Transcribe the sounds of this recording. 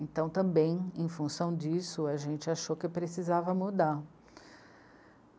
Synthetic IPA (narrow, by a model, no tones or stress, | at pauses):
ẽnt̪ɐ̃w̃t̪ɐ̃mbẽj̃ẽj̃fũsɐ̃w̃d͡ʒisʊaʒẽnt͡ʃɪaʃokɪpɾesizavɐmud̪aɾ